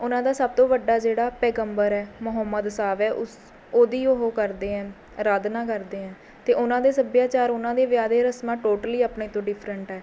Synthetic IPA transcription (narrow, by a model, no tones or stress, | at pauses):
ʊnãːd̪aːsəb̚t̪õːʋəɖːaːd͡ʒeːɽaːpɛːɡəmbəɾɛːmʊɦəmːəd̪saːʋɛːʔʊs | oːd̪iːoɦoːkəɾd̪eːɛ̃ː | ɾaːd̪nãːkəɾd̪eːɛ̃ː | t̪eːʔʊnãːd̪eːsəbjaːt͡ʃaːɾʊnãːd̪eːʋjaːd̪eːɾəsmãːʈoːʈəliːapneːt̪õːɖɪpʰɾəɳʈɛː